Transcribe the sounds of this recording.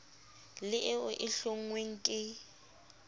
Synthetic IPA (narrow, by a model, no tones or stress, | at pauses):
lɪʔɪʊʔɪɬoŋ̩ŋweŋ̩kʼɪ